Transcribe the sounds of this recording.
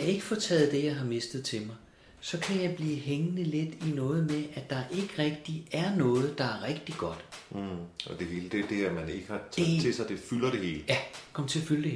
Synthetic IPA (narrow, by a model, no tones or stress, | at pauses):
e̝ɡ̥əfɒːt͡sʰɛ̰ːð̩ˠd̥e̝jɑ̈ɪɦɑ̈me̝sd̥ð̩ˠt͡sʰe̝mɑ̈ɪ | sɒ̽kʰæjɑ̈ɪb̥liːɦeŋənəle̝d̥inɔ̽ːð̞̩ˠmeʔæd̥ɑ̈ʔe̝ɡ̥əʁɛɡ̥̚d̥iæɐnɔ̽ːð̞̩ˠd̥ɑ̈æɐʁɛɡ̥̚d̥iɡ̥ɒ̽d̥ | ɒ̽d̥e̝ɦe̝ːləd̥ed̥eæmæne̝ɡ̥əhɑ̈t͡sʰˠt͡sʰe̝sɑ̈ɪd̥e̝fylɐɾ̥e̝he̝̰ːləjækʰɒ̽mt͡sʰe̝fyld̥eh